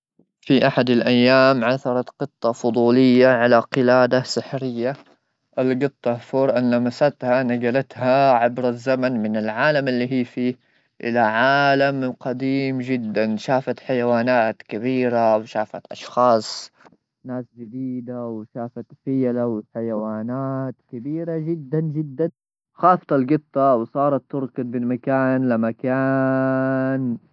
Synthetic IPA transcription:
fiʔaħad̪alʔajːaːmʕaθɑɾˤɑqɨt̪ˤːɑfʊd̪ˤuːlɪjːaʕalaqɪlaːd̪asɪħɾɪjːa | ʔɪlɡɨt̪ˤːɑfuɾˤʔanlamasat̪hanaɡalat̪haʕabɾazːamanmɪnɪlʕaːlamɪlːiːɦiːfiː | ʔɪ̰laʕaːlamqɑd̪iːmd͡ʒɪd̪ːanʃaːfat̪ħajawaːnaːt̪kabiːɾawʃaːfa̰t̪ʔɑʃxɑːsˤ | naːsd͡ʒɪd̪iːd̪awʃaːfat̪fɪjalawɪħajawaːnaːt̪kabiːɾad͡ʒɪd̪ːand͡ʒɪd̪ːan | xɑːft̪ˤɑlɡɨt̪ˤːɑwsˤɑːɾˤɑt̪ːʊɾkɪd̪̚bɪlmakaːnlamakaː | n

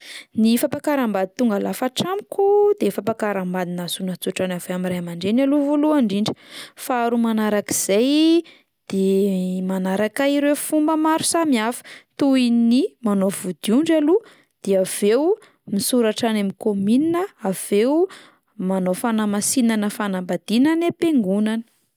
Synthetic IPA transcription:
nifapakaɾambad̪it̪uŋɡalafaʈ͡ʂamikod̪efapakaɾambad̪inasunat͡suʈ͡ʂanaveamiɾaamaɳɖ͡ʐenaluvoluaɳɖ͡ʐiɳɖ͡ʐi̥faaɾumanaɾaki̥z̥aj | d̪̥emanaɾakaiɾewfumbəmaɾu̥samiafə̥t̪uinimanovud̪̥iuɳɖ͡ʐalu | d̪̥eav̥ew | misuɾaʈ͡ʂanamikomininəav̥ew | manofanamasinanəfanambad̪̥inanepeŋɡunanə̥

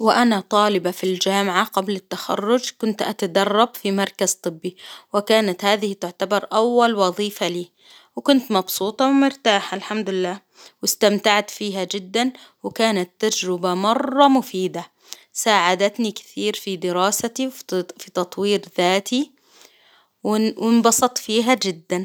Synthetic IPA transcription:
wɪʔanat̪ˤɑːlɪbafild͡ʒaːmʕaɡablɪt̪ːaxɑ̰rːʊd͡ʒkʊnt̪ʔat̪ad̪ɑrˤːɑbfimɑɾˤkaz̥t̪ˤɨbːiwɪkaːnat̪haːðɪhɪt̪ʊʕt̪abɑɾˤʔawːalwɑðˤiːfaliː | wɪkʊnt̪mɑbsuːt̪ˤɑwɪmʊɾt̪aːħalħamd̪ʊlɪlːaː | wɪst̪amt̪aʕt̪fiːɦad͡ʒɪd̪ːanwɪkaːnat̪ːad͡ʒɾɪbamɑrˤːɑmʊfiːd̪a | saːʕad̪at̪nikɪ̥θiːɾfid̪ɪɾɑːsat̪iwfit̪ɑt̪ˤwiːɾðaːt̪ʰi | wɪwɪnbɑsˤɑt̪ˤfiːɦad͡ʒɪd̪ːan

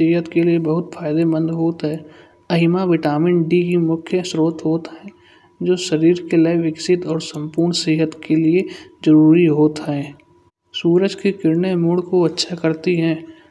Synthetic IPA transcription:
seːɦət̪keliebɐɦʊt̪fʰaːɪd̪ebə̃nd̪ɦoːt̪ɦɛː | ɐɦɪmaʋɪʈaːmɪ̃ɳʈɖiɦimʊkʰjəsɾoːt̪ɦoːt̪ɦɛ̃ː | d͡ʒoːʃɐɾiːɾkelaɪʋɪksɪt̪ɔːɾsə̃mpuːɾɳseːɦət̪kelied͡ʒəɾuːɾiɦoːt̪ɦɛː | suːɾəd͡ʒkikɪɾnemuɽkoɐtːʃʰakɐɾt̪iɦɛ̃ː

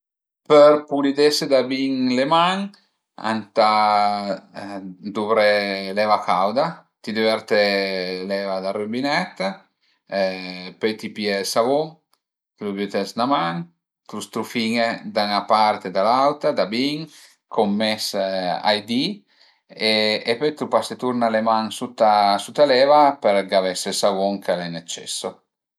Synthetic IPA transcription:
peɾpulid̪esed̪abiŋlemaŋ | a̰nt̪a | d̪uβɾelɛvakawd̪at̪id̪ivɛɾt̪elɛvad̪arybinɛt̪ | pɛjt̪ipjɛsavoŋ | t̪lubyt̪ɛsnamaŋ | t̪ɾust̪ɾufiːŋed̪aŋapaɾt̪ed̪alawt̪ad̪abiŋ | kʰomːɛsa̰jd̪i | eepɔjt̪ɾupaset̪uɾnalemaŋsut̪ːasut̪ːalɛːvapeɾɡavɛsesavuŋkʰalɛnːɛt͡ʃːɛ̰sːo

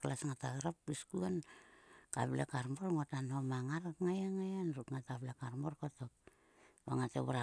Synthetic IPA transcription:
klasŋataeɾap̚biskuan | ka̰blekaɾmoɾŋotanhomaŋaɾakŋajaŋajanɾutŋatablekaɾmoɾkotok̚ | baŋateβuɾa

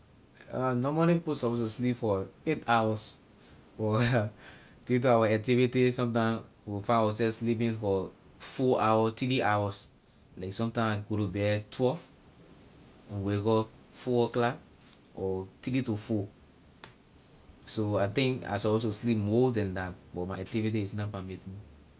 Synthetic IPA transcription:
anɔmɔlĩpiposɔpos̬tuslipfɔetawɔs | fɔ | tektuawaak̚tivitisɔ̃mtãm | wifãnawasɛfslip̬ĩnfɔ | fɔawɔtiɾiʔawɔs | laɪksɔ̃mtãɪmaɡoɾubɛtʰwɛlv | ɛ̃nweɡɔ | fɔwɔkla | ɔtiɾitufɔ | soat̪ĩŋka̰sɔpostuslipmɔdɛ̃ndatbɔmaaktivitiisnapãmetĩn

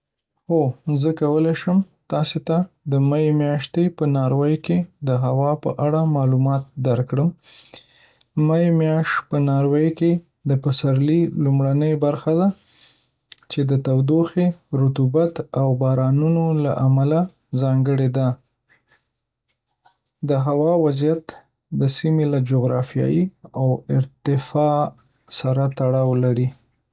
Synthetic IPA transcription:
xozəkawəleʃəm | t̪ɑset̪ad̪əmajemjɑʃt̪epənɑɾwəjked̪əɦawɑpəʔaɽamɑlumɑt̪̚d̪aɾkɽəm | majemjɑʃpənɑɾwejke | d̪əpasaɾlilumɽanəjbaɾxad̪a | t͡ʃed̪ət̪awd̪oxeɾʊt̪ubat̪awbɑɾɑnunola̰ʔamala | zɑŋɡəɽed̪a | d̪əɦawɑwazijat̪ | d̪əsimelad͡ʒʊɣɾɑfijɑ̰jiawɪɾt̪ɪfɑ | saɾat̪aɽɑwlaɾi

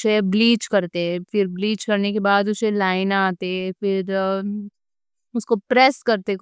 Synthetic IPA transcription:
sebliːt͡ʃkɐɾt̪eɦɛ̃fɪɾbliːt͡ʃkɐɾnekebaːd̪ʊselaːɪnaːt̪eɦɛ̃fɪɾ | ʊskopɾɛskɐɾt̪e

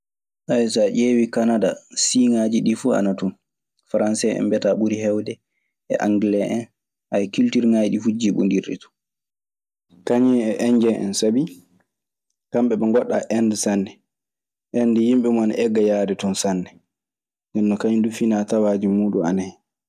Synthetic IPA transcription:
ʔajsaʔeːwikanadasiːŋad͡ʒiɗifua̰natun | faɾansɛʔɛ̰mbɛtaɓuɾiɦɛwdɛ | ɛ̰ʔaŋɡlɛʔɛn | ʔajkiltiɾŋajiɗifud͡ʒiɓṵndiɾɗḭtu̥ | kaɲɛɛʔɛɲd͡ʒɛʔɛ̰nsabi | kamɓɛɓɛŋɡɔɗːa̰ʔɛndɛsanːɛ | ʔɛndijimɓɛmɔanaʔɛɡːajaːdɛtɔnsanːɛ | dɛnːɔkaɲndufinatawaːd͡ʒimuːɗuna̰naj

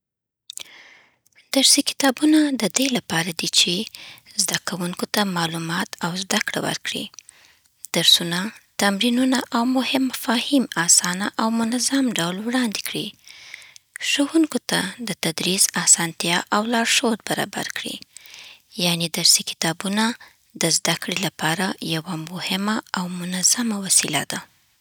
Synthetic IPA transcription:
d̪̥aɾsikɪ̥t̪ɑbunad̪əd̪elapɑɾad̪it͡ʃezd̪akawuŋkot̪amɑlumɑt̪awzd̪akɽa̰wa̰ɾkɽḭ | d̪̥aɾsunat̪amɾinunaʔawmʊhɪmːafɑhimɑsɑnaʔawmʊnazamɖawlwɽɑnd̪ekɽi | ʃohuŋkot̪ad̪ət̪ad̪ɾizɑsɑnt̪jɑʔawlɑɽʃowoɾbaɾɑ̰ba̰ɾkɽḭ | janed̪aɾsikɪ̥t̪ɑbuna | d̪əzd̪akɽelapɑɾajawamʊhɪmaawmʊnaz̥amawasilad̪a

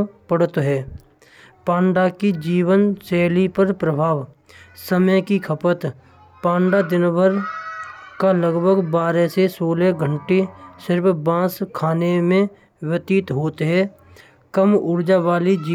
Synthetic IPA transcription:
pəɽt̪ɦɛː | pãːɳɖakid͡ʒiːwənsɛːlipəɾpɾəbʱaːʋ | səməjkikʰəpət̪ | pãːɳɖad̪ɪnbʱəɾ | kaləɡbʱəɡbaːɾesesoːleɡʱə̃ɳʈesɪɾpbãːskʰaːnemẽ | wət̪iːt̪ɦoːt̪ɦɛː | kəmʊɾd͡ʒaʋaːlid͡ʒiː

